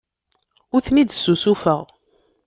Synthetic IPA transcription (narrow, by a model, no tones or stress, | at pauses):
ʊɾθnid̪sːusufəʁ